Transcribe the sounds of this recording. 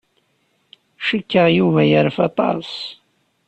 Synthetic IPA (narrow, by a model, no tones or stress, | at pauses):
ʃəkːəʁjuvæjəɾfɑt̪ˤɑ̰s